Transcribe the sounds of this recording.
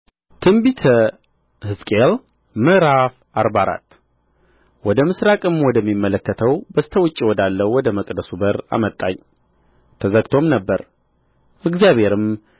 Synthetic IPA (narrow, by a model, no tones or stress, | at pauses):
t̪ʰɨmbit̪ʰə | hɨskʼel | mɨʔɾafʔaɾbaɾa̰t̪ː | wɔd̪əmɨsɾakʼɨmwɔd̪əmːimːələkːət̪ʰəwbəst̪ʰəwʊt͡ʃʼːiwɔd̪alːəwɔd̪əməkʼd̪əsubəɾa̰mət̪ʼːa̰ɲː | t̪ʰəzəɡt̪ʰo̞mnəbːəɾ | ʔɨɡzijaβhe̞ɾɨm